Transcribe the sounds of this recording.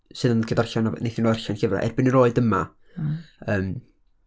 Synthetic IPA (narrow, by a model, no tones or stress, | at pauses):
sɨðənɡʰədarɬananejθɪnɔarɬanɡəvra̰ʔɛ̰rbɪnənɾroːɨdəma | əːm